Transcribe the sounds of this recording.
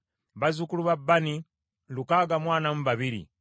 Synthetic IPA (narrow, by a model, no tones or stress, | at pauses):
βazukuluβabːani | lukaɡamwaːnamuβaβiɾḭ